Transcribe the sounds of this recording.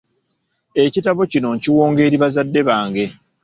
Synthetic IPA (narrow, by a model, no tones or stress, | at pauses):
e̞citaβocino̞ɲciwo̞ːŋɡe̞ːɾiβazadːe̞βaːŋɡe̞